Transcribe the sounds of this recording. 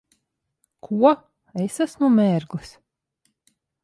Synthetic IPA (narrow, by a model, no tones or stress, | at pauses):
kʰuɔ | esasmumʲɛːɾɡlɨs